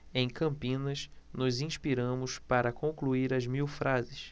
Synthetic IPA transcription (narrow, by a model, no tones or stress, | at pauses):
ẽj̃kɐ̃mpĩnɐsnʊzĩʃpiɾɐ̃mʊspaɾɐkõŋkluiɾɐzmiwfɾʔazɪs